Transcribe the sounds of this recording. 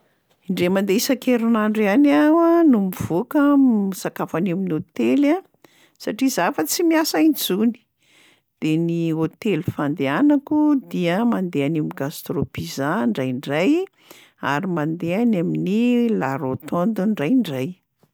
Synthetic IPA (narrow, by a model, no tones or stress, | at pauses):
iɳɖ͡ʐemand̪eisakeɾunaɳɖ͡ʐanawanumiv̥okəisakafaniminiot̪ela | saʈ͡ʂizafat͡simiasajnd͡zuni̥ | d̪̥eniot̪elifand̪eanakud̪iəmand̪eanamiɡast̪ropizaɳɖ͡ʐajɳɖ͡ʐaj | a̰ɾimand̪eanaminilaɾot̪ond̪uɳɖ͡ʐajɳɖ͡ʐaj